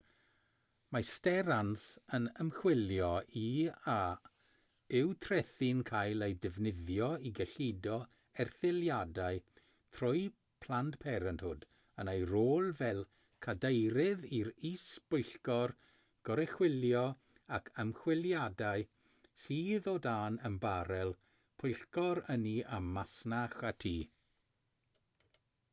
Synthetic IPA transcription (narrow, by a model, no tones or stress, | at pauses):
mastɛɾansənəmχwɪljɔʔia | ɪwtʰrɛθinkʰajlˠejdɪvnɪðjɔiɡəɬidɔ | ɛrθɪlˠjadaɨ | tʰrʊj | pʰl̥ˠantpʰɛɾəntʰhʊd | ənejɾoːlˠvɛlˠ | kʰadejɾɪðiɾisb̥ʊjɬkɔr | ɡ̥ɔɾɛχwɪljɔ | akʰəmχwɪlˠjadaɨ | siːðɔdaːnəmbaɾɛlˠ | pʰʊjɬkɔɾəniʔamasnaχatʰiː